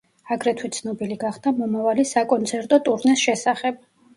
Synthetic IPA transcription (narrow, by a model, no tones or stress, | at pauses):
aɡɾɛt̪ʰwit̪sʰnɔbiliɡaχd̪̥amɔmavalisakʼɔnt̪sʰɛɾt̪ʼɔt̪ʼuɾnɛsʃɛsaχɛb̥̚